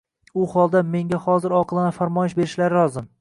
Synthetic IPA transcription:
ʊhɒlˠd̪ame̞ŋɡʲahɒzɪɾɒqʰlˠanafaɾmɒjɪʃbe̞ɾɪʃlaɾɪɾɒzɪm

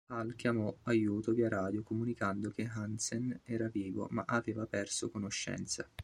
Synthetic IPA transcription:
halkʲjamɔajuːt̪oviaɾaːd̪jokomunikand̪ok̟eɦansenɛːɾaviːvo̰maʔaveːvapɛrsokonoʃːɛ̰nt̪sa

